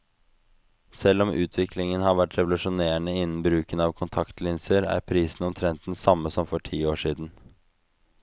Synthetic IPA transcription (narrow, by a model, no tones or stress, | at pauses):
sɛlːɔmʔʉ̰ːt̪ʰʋɪklɪŋənhɑɾʋæʈɾɛʋʊlʉʂʊneːəɳəɪnːn̩bɾʉːkənɑʋkʰʊnt̪ʰɑkt̪lɪnsəɾæ̰ɾpʰɾiːsn̩ɔmt̪ʰɾɛnt̪n̩sɑmːəsɔmfɔʈʰiːoːʂiːd̪n̩